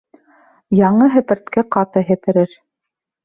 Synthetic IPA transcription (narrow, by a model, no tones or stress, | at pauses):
jɑɴɤɦɘ̆pɘ̆ɾt̪kæqɑt̪ɤɦɘ̆pɘ̆ɾɘɾ